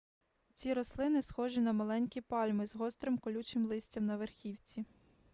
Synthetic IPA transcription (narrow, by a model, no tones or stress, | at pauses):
t͡sʲiɾɔslˠɪnɪsxɔʒinɐmɐlˠɛnʲkʲipɑlʲmɪzɦɔst̪ɾɪmkɔlʲut͡ʃɪmlˠɪsʲtʲɐmnɐʋerxʲiwt͡sʲi